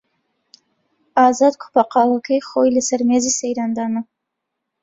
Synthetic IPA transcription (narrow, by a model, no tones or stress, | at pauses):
ɑːzɑd̪kʷʰʊ̥pʰɑqɑləkʰəjχojləsɐɾmezisejɾɑnd̪ɑːnə